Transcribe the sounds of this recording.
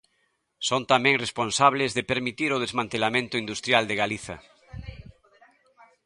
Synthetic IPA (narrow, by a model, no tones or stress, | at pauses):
sont̪amɛ̃ŋresponsaβ̞lezðepeɾmit̪iɾoðezmãnt̪elamẽnt̪ʊind̪ust̪ɾjald̪eɣaliθɐ̰